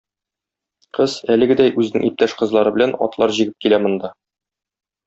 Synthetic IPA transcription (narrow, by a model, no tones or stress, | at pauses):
qɤzælɘ̆ɡɘ̆d̪æjʔʉzɘ̆nɘ̰ŋip̚t̪æʃqɤ̆zlˠɑɾɤbɘ̆lænɒ̰t̪lˠɑɾʑiɡɘp̚kilæmɤ̆nd̪ɑ